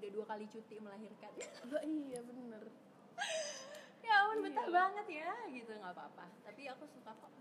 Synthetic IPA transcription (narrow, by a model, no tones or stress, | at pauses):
udaduakalit͡ʃut̪ɪʔməlaɦirkanbaijabənər | jaamanbət̪ahbaŋət̪̚jaɡit̪uŋɡapaːpat̪apiakusukapa